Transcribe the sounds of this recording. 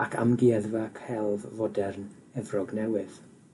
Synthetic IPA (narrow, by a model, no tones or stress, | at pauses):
akʰa̰mɡiɛðvakʰhɛlˠvvɔdɛrn | ɛvrɔɡnɛwɪð̥